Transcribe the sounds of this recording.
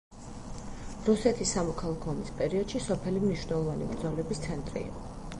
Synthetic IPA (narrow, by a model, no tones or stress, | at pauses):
ɾusɛt̪ʰisːamɔkʰalˠakʰɔːmispʼɛɾiɔd̪̥ʃisɔpʰɛlimniʃwnɛlˠɔvanḭbɾd̪zɔlɛbist̪sʰɛnt̪ʼɾḭːqʼɔ